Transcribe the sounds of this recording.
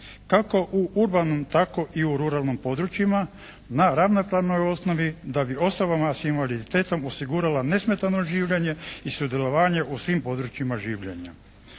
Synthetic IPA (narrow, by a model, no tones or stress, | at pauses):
kako̞ʔuʔuɾbanomt̪ako̞ʔiuɾuɾalˠnimpo̞d̪ɾut͡ʃima | naɾaʋnopɾaʋno̞jo̞sno̞ʋid̪abio̞sobamasinʋalid̪it̪e̞ːt̪o̞mosiɡuːɾalane̞sme̞t̪ano̞ʒiːʋʎe̞ɲe̞isud̪je̞lo̞ʋaːɲe̞ʔusʋimpo̞d̪ɾut͡ɕimaʒiːʋʎḛɲa̰